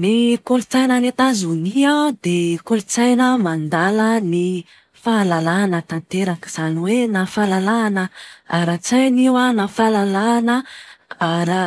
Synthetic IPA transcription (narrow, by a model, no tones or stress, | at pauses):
nikolut͡sajnənet̪azuniad̪ekolut͡sajnəmand̪aləni | falalanət̪ant̪eɾakiz̥aniwenafalalanəaɾat͡sajniwanafalalanəaɾa